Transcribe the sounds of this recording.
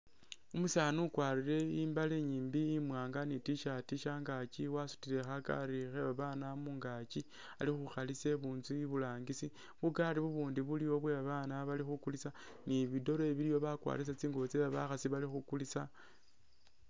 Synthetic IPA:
umusaːnukwaːriɾe̞iːmbaleɲiːmbiːmwaːŋɡanitiʃatiʃaːŋɡaciwasu̥tiɾe̞xaka̰rixeβaβanamuːŋɡaci | a̰lixuxalise̞βuːnzuiβulaːŋɡisi | βukaɾiβuβuːndiβulijo̞βweβaβanaβalixukulisa | niβido̞ɾoeβilijo̞βakwa̰ɾis̬at͡siːŋɡoβot͡seβaβaxasiβalixukulisa

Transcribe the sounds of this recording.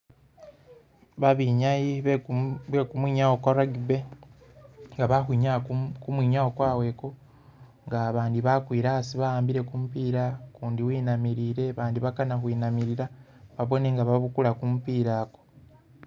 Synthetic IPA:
βaβiːɲaji | βwekumwiːɲawokwaɾaɡibe̞ | ŋɡaβaxwiːɲakumwiːɲaokwaːwe̞ko̞ | ŋɡaːβaːndiβakwiːɾasiβajaːmbiɾe̞kumupiːɾakuːndiwiːnamiɾiːɾe̞βaːndiβakanaxwiːnamiɾiɾa | βaβo̞ne̞ŋɡaβaβukulakumupiːɾaːko̥

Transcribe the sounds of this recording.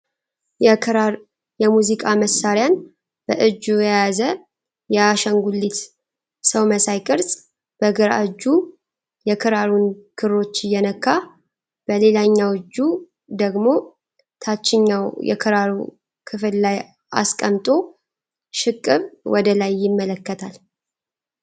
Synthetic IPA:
jɛmuzikʼaməsaɾjan | b̥əʔɨd͡ʒːujajazə | jɛaʃəŋɡulːit̪ | səwməsajkʼɨɾsʼ | b̥əɡɨɾa̰ɨd͡ʒːu | jɛkʰɨɾaɾunkʰɨɾo̞t͡ʃːjːɛnəkʰːa | b̥əle̞laɲːawɨd͡ʒːu | d̪əɡmo̞ | t̪ʰat͡ʃːɪɲːawjɛ̰kʰɨɾaɾu | kʰɨfɨllaj | a̰skʼəmt̪ʼo̞ | ʃɪkʼːɨβwʔɔd̪əlajːɪmːələkːət̪ʰal

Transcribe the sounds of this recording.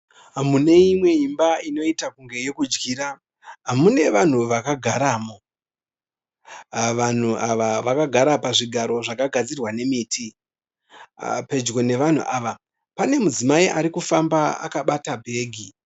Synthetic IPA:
ɦamune̞imwe̞imbaino̞itakuŋɡe̞je̞kud͡ʒɡiːɾa | ɦamune̞ʋan̤uʋakaɡʱaɾaːmo | ʋan̤uʔaʋaʋakaɡʱaɾapaʐiɡʱaɾo̞ʐakaɡʱad͡zirwane̞miːtʰi | pe̞d͡ʒɡo̞ne̞ʋan̤ṵʔaʋa | pane̞mud͡zimaiʔaɾikufambaa̰kaɓatabʱe̞ːɡʱi

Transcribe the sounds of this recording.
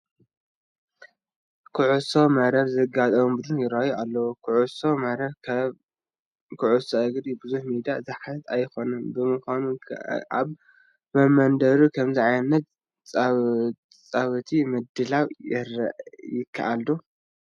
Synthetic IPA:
kʰuʕusomɐɾɐβzɐɡat̪ʼɐβumbɨd̪unjɪɾajualːɐwukʰuʕusomɐɾɐβ | kʰɨʕusɐʔɨɡd̪ibɨzuħmid̪iazɨħaɨt̪ajxo̞nɨmbɨmɨxʷanua̰βː | ɐmɐnd̪ɐɾukʰɐmziʕajnɐt̪ | t͡sʼ | t͡sʼaβɨt̪ʰimɨd̪ɨlawjɛɾjɪkʰːa̰ʔald̪u

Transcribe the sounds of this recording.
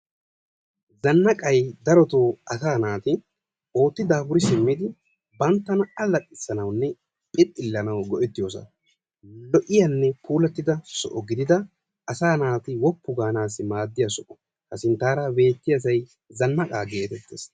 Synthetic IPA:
zɐnːɐkʼɐjd̪ɐɾɔt̪oːɐsaːnaːt̪ɪ | o̞ːt̪ːɪd̪aːbʊɾɪsɪmːɪd̪ɪ | bɐnt̪ːɐnɐɐlɐkʼːɪsːɐnɐwnːɛ | pʼɪt̪ʼːɪlːɐnɐwɡɔʔɛt̪ːɪjoːsɐ̰ | lɔʔɪjɐnːɛpʰuːlɐɛt̪ːɪd̪ɐsɔ̰ʔɔɡɪd̪ɪd̪ɐ | ʔɐsaːnaːt̪ɪwɔpːʊɡaːnaːsɪmaːd̪ːɪjɐsɔʔɔ̥ | hɐsɪnt̪aːɾabe̞ːt̪ːɪjɐs̬ɐj | zɐnːɐkʼaːɡe̞ːt̪ɛt̪ːeːs

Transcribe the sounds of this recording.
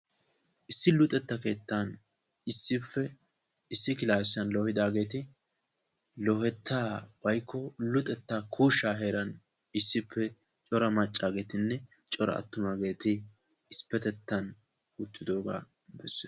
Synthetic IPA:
ʔɪsːɪlʊt̪ʼɛt̪ːɐke̞ːt̪ːan | ɪsːɪfːɛ | ɪsːɪkɪlaːsɐnlɔhɪd̪aːɡe̞ːt̪ɪ | lɔhɛt̪ʰːaːbɐjkʰːɔlʊt̪ʼɛt̪ːaːkʰuːʃːaːɦe̞ːɾɐn | ɪsːɪpʰːɛ | t͡ʃʼɔɾɐmɐt͡ʃʼːaːɡe̞ːt̪ɪnːɛ | t͡ʃʼɔɾɐ̰ɐ̰t̪ːʊmaɡe̞ːt̪ɪː | spɛt̪ɛt̪ːɐn | ʊt̪ːɪd̪o̞ːɡa̰ː | bɛsː

